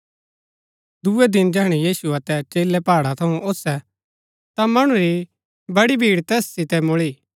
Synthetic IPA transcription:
d̪uɛd̪ɪnd͡ʒɛːɽ̃ɛjiːsuɐt̪ɛt͡ʃeːlɛpaːɽat̪ʰɐũʔoːsɛ | t̪amɐɽ̃ũɾi | bɐɽibʱiːɽt̪ɛːssɪt̪ɛmʊɭiː

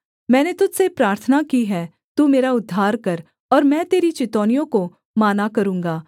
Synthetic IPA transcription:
mɛ̃ːnet̪ʊd͡ʒsepɾaːɾt̪ʰənakiɦɛː | t̪uːmeːɾaʊd̪ʱːaːɾkɐɾ | ɔːɾmɛ̃ːt̪eːɾit͡ʃɪt̪ɔːnijõko | maːnakɐɾũːŋɡaː

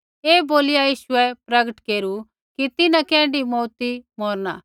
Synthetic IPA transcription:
eːboːlɪjajiːʃʊɛpɾɐɡəʈkeːɾu | kit̪ɪnãkɛ̃ːɳɖimɔːt̪imɔːɾna̰ː

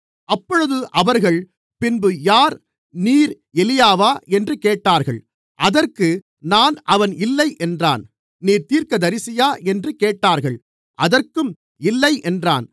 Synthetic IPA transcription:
ɐpːɔɻɯðɯʔɐʋɐɾɣɐɭ | pɪnbɯjaːɾ | niːɾ | ɛlɪjaːʋaːɛndrɯkeːʈːaːɾɣɐɭ | ʔɐðɐrkɯ | naːnʔɐʋɐnʔɪlːɐɪʔɛndra̰ːn | niːɾt̪iːɾkɐd̪ɐɾɪsɪjaːʔɛndrɯkeːʈːaːɾɣɐɭ | ʔɐðɐrkɯm | ɪlːɐɪʔɛndra̰ːn

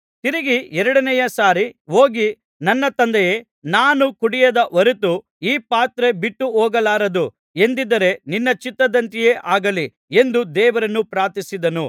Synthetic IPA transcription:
t̪iɾiɡiɛɾɐɽɐnɛjɐsaːɾiɦo̞ːɡi | nɐnːɐt̪ɐnd̪ɛjeː | naːnukuɽijɐd̪ɐʋɐɾut̪u | iːpaːt̪ɾe̞biʈːuɔːɡɐlaːɾɐd̪u | e̞nd̪id̪ɐɾe̞ninːɐt͡ʃit̪ːɐd̪ɐnt̪ije̞ːʔaːɡɐli | e̞nd̪ud̪ɛːʋɐɾɐnːupɾaːt̪isid̪ɐnu

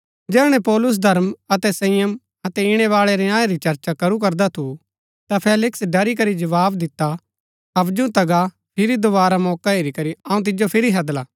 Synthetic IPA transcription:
d͡ʒɛːɽ̃ɛ̃pɔːlʊs̬d̪ʱɐɾmɐt̪ɛsɐ̃ɪjəm | ɐt̪ɛɪɽ̃ɛʋaːɭɛɾɛãːeɾit͡ʃɐɾt͡ʃakɐɾuk̬ɐɾd̪at̪ʰu | t̪apʰeːlɪksɖɐɾik̬ɐɾid͡ʒɐʋaːbd̪ɪt̪ːa | ɐbd͡ʒũt̪ɐɡa | pʰɪɾid̪obaːɾamɔːkaeːɾikɐɾiɐːũt̪̬ɪd͡ʒopʰɪɾiɦɐd̪laː

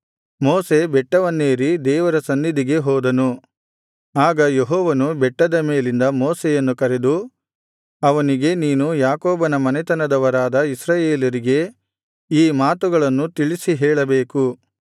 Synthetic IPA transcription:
moːse̞bɛʈːɐʋɐnːeːɾid̪ɛːʋɐɾɐsɐnːid̪iɡe̞ɦɔːd̪ɐnu | aːɡɐjeɦɔːʋɐnubɛʈːɐd̪ɐmeːlind̪ɐmoːsejɐnːukɐɾe̞d̪u | ɐʋɐniɡe̞niːnujaːkoːbɐnɐmɐnɛt̪ɐnɐd̪ɐʋɐɾaːd̪ɐisɾaːjeːlɐɾiɡe̞ | iːmaːt̪uɡɐɭɐnːut̪iɭisiɦɛːɭɐbeːku

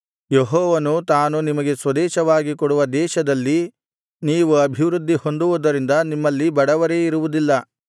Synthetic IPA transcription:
jeɦɔːʋɐnut̪aːnunimɐɡe̞sʋɐd̪ɛːʃɐʋaːɡikoɽuʋɐd̪ɛːʃɐd̪ɐlːi | niːʋuɐbʱiʋɾud̪ʱːiho̞nd̪uʋud̪ɐɾind̪ɐnimːɐlːibɐɽɐʋɐɾe̞iɾuʋud̪ilːɐ

